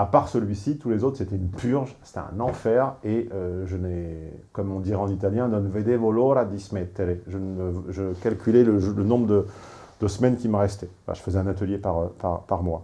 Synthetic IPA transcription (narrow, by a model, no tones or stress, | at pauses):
apaʁsəlɥisit̪ulezot̪χset̪ɛynpʰyʁʒse̥t̪ɛɛ̰̃nɑ̃fɛʁeøʒənɛkɔmɔ̃d̪iʁɛɑ̃nit̪aljɛ̃d̪ɔnved̪evoloɾad̪ismɛt̪ːeɾeʒənəʒəkalkʲylɛləʒlənɔ̃bʁəd̪ə | d̪̥əsəmɛnkʲiməʁɛst̪ɛ | a̰ʒə̥fəzɛɛ̃nat̪əljepaʁøpa̰ʁpaʁmwa